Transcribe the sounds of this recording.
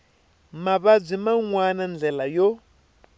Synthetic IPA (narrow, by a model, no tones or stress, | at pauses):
maβab͡ʐʷimaŋwanand͡ɮɛlajɔ